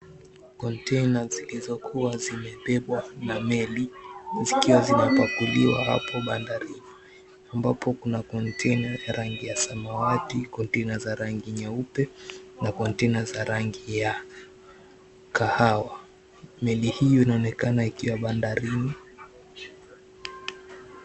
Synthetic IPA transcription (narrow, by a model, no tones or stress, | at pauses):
kɔntɛjnazilizɔkʰuwazimɛɓɛɓwanamɛlizikiwazinapakuliwa̰ha̰pɔɓandaɾini | ambapɔkunakɔntʰɛjnajaɾaŋɡijasamawatikɔntɛnazaɾaŋɡiɲaupɛnakɔntɛnazaɾaŋɡija | kahawa | mɛlihijɔinaɔnɛkanaikiwaɓandaɾini